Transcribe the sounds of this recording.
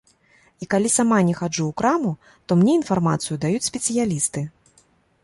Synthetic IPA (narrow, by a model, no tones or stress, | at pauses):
ikalʲisamanʲɛxad͡ʐuːkɾamu | t̪ɔmnʲɛinfarmat̪sɨjud̪ajut͡sʲsʲpʲɛt̪sɨjalʲist̪ɨ